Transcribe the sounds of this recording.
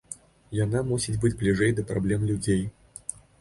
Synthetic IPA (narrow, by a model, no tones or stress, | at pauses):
janamusʲid͡zʲbɨd͡zʲblʲiʐɛjd̪ɐpɾa̰blʲɛmlʲud͡zʲej